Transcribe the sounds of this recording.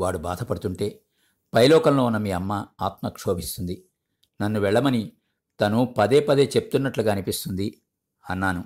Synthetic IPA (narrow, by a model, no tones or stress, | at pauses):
ʋaːɽubaːd̪ʱɐpɐɽut̪uɳʈe̞ː | pɐjlɔːkɐmloːunːɐmiːɐmːaaːt̪mɐkʂoːbʱist̪und̪i | nɐnːuʋɛɭːɐmɐni | t̪ɐnupɐd̪eːpɐd̪e̞ːt͡ʃe̞pu̥t̪unːɐʈluɡaːɐnipist̪und̪i | ɐnːaːnu